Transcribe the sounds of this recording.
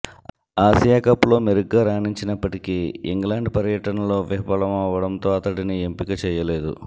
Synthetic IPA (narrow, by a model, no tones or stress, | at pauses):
aːsijaːkɐpulo̞ːmeɾuɡːaːɾaːniɲt͡ʃinɐpːɐʈikiḭŋɡlaːɳɖpɐɾjɐʈɐnɐlo̞ːʋiɦɐpɐlɐmɐʋɐɽɐnt̪o̞ːɐt̪ɐʈiniempikɐt͡ʃɛːjɐle̞ːd̪ṵ